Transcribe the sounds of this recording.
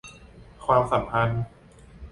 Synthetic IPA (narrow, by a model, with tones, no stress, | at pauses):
kʰwaː˧msa˩˦mpʰa˧n